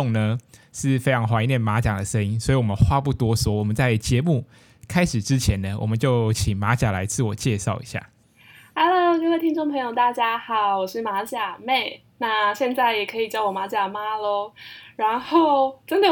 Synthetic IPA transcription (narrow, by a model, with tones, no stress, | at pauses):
ŋnə˧ʂɻ̩˥˨fe˥ɪʈ͡ʂʰɑ˧˥ŋxwa˧˥i˧˦njɛ˥˩nma˧˥t͡ɕja˨˩ŋd̪ə˩˦ʂə˦ŋi˥ŋswɔ˧˥i˨wɔ˨˩ə˦nxwa˥pu˥˩t̪wɔ˥swɔ˧˥˦wɔ˨˩mə˨˦nt͡sa˥˩ɪt͡ɕjɛ˧˦mu˥˩ | kʰa˥ɪʂɻ̩˨˩ʈ͡ʂɻ̩˦t͡ɕʰjɛ˨˦nd̪ə˧wɔ̰˨˩mə˦nt͡ɕjo˥˩ʊt͡ɕʰi˨˩ŋma˧˥t͡ɕja˨˩la˧˦ɪt͡sʰɹ̩˥˩wɔ˨˩t͡ɕjɛ˥˧ʂɑ˥˩ʊḭ˧˦˥ɕja̰˥˩ | a˥ɪlkə˥˧we˥˩ɪt̪ʰi˥ŋʈ͡ʂo˥˩ŋpʰɤ˧˥ŋjo˨˩ʊt̪a˥˩t͡ɕja˥xɑ˨˩˦ʊwɔ˨˩ʂɻ̩˥˩ma˧˥t͡ɕja˨˩me˥˩ɪ | na˥˧ɕjɛ˥˧nt͡sa˥˩ɪjɛ˨˩kʰɤ˧˥i˨˩t͡ɕjɑ˥ʊwɔ˨˩ma˧˥t͡ɕja˨˩ma˧˥lə˧ɻa˧˥nxo˥˩ʊʈ͡ʂə˥nd̪ə˨